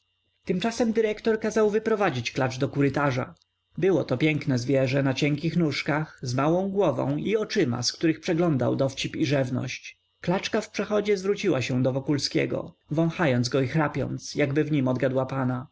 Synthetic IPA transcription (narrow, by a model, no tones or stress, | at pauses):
t̪ɘmt͡ʂasɛmd̪ɘɾɛkt̪ɔɾkazawvɘpɾɔvad͡ʑit͡ɕklat͡ʂd̪ɔkuɾɘt̪aʐa̰ | bɘwɔt̪ɔpʲjɛŋknɛzvʲjɛʐɛnat͡ɕɛŋkʲixnuʂkaxzmawɔ̃w̃ɡwɔvɔ̰̃w̃iɔt͡ʂɘma̰skt̪uɾɘxpʂɛɡlɔnd̪a̰wd̪ɔft͡ɕipiʐɛvnɔ̰ɕt͡ɕ | klat͡ʂkafpʂɛxɔd͡ʑɛzvɾut͡ɕiwaɕɛ̃d̪ɔvɔkulskʲɛ̰ɡɔ̰ | vɔ̃w̃xajɔnzɡɔixɾapʲjɔ̰nt̪sjaɡbɘvɲimɔd̪ɡad̪wapana